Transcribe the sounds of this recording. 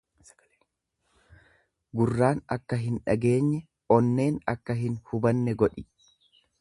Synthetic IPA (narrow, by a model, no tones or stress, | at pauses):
ɡʊrːaːnɐkːɐɦɪnᶑɐɡe̞ːɲːɛ | ʔɔnːe̞ːnɐkːɐɦɪnhʊbɐnːɛɡɔᶑɪ